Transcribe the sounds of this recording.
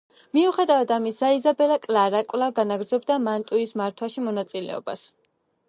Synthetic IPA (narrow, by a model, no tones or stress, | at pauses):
miuχɛd̪avad̪amisaizabɛlakʼlaɾakʼwlˠaɡanaɡɾd̪zɔbd̪amant̪ʼuismaɾt̪ʰwaʃimɔnat̪sʼilɛ̰ɔ̰ba̰s